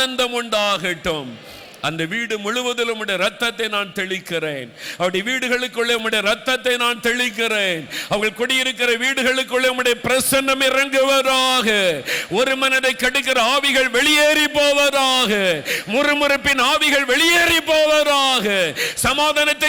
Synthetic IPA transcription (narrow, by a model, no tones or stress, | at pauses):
ɐnd̪ɐmʊɳɖaːɣɪʈːɯm | ʔɐnd̪ɐʋiːɽɯmʊɻʊʋɐðɪlʊmːɯɽɐjɐɾɐt̪ːɐt̪ːɐɪnaːnt̪ɛɭɪkːɪreːnɐpːɐɽɪjʋiːɽɯɣɐɭɯkːɯɭːeʊmːɯɽɐjɐɾɐt̪ːɐt̪ːɐɪnaːnt̪ɛɭɪk̬ːɪreːnɐʋɐŋɣɐɭkɔɽɪjɪɾɯkːɪrɐʋiːɽɯɣɐɭɯkːɯɭːɐʊmːɯɽɐjɐpɪɾɐsɐnɖɐmɪrɐŋɡɯʋɐðaːɣɐɔɾɯmɐnɐðɐɪkːɐɽɯkːɪrɐaːʋɪɣɐɭʋɛɭɪjeːrɪpːoːʋɐðaːɣɐmʊrɯmʊrɪpːɪnaːʋɪɣɐɭʋɛɭɪjeːrɪpːoːʋɐðaːɣɐsɐmaːðɐnɐt̪ːɐɪ